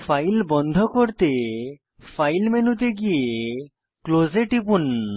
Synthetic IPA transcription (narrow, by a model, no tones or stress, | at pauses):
fajlbɔnd̪ʱokoɾt̪e | fajlmenut̪̬eɡije | klozeʈipun